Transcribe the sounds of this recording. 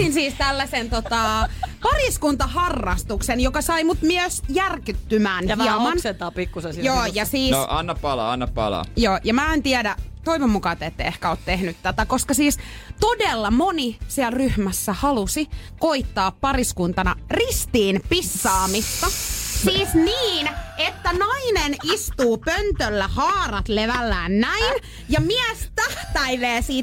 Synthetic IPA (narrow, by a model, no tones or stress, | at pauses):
insiːst̪ælːæsent̪ot̪ɑpɑriskunt̪ɑhɑrːɑst̪uksenjokɑsɑimut̪myøsjærkyt̪ːymæːnhiɛmɑnsent̪ɑpikːusesijoːjɑsiːnsʔɑnːɑppɑlɑ̰ɑnːɑppɑ̰lɑ̰joːjɑmæːɑent̪iædæt̪oiʋomːukɑt̪et̪ːeehkæoːt̪t̪ehnyt̪t̪æt̪ækoskɑsiːst̪odelːɑmonisiælryhmæsːæhɑlusikoit̪ːɑːppɑriskunt̪ɑnɑrist̪iːnpisːɑːmist̪ɑsiːsniːnet̪ːænɑinenist̪uːpønt̪ølːæhɑːrɑt̪leʋælːæːnnæin | jɑmiæst̪æht̪æiʋeːsiː